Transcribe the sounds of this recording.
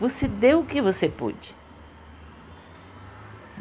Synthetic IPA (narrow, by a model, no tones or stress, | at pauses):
osed̪ewʊkɪvosepṵd͡ʒɪ̥